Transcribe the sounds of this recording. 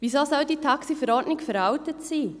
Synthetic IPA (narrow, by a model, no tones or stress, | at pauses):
ʋiːsɔlsɔʊdiːtʰɑksifəɾɔɾdnɪkfɛɾawtətsiː